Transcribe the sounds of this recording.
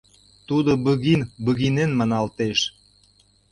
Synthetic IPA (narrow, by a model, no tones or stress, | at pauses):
t̪ud̪obəɣinbəɣinenmɑnɑlt̪eʃ